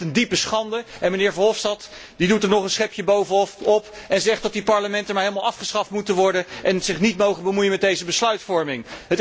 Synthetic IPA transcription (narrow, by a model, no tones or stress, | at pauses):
təndipəsχɑndəɛnmənɪːɹvɑnɦɔfstɑt | didutəɹnɔχənsχɪpjəbowvəɔpɛnzɛχt̚dɑt̚dipɑɹləmɛntəmaɹɦejlˠmalˠɑfχəsχɑftmutəʋɔɹdəʔɛnzɪχnitmowχəbəmujənmɛdejzəbəslœɥtfɔɹmɪŋɦət